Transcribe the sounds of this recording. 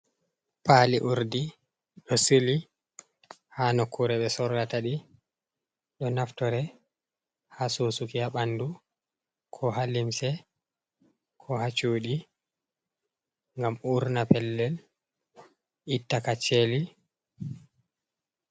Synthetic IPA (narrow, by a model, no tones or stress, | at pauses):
paliʔuɾdi | ɗɔsili | hanɔkːuɾɛɓɛsɔɾːataɗi | ɗɔnaftɔɾɛ | hasoːsukiaɓandu | kʰɔɦalimsɛ | kʰɔhat͡ʃuːɗi | ŋɡamuɾnapɛlːɛl | ʔitːakat͡ʃːeli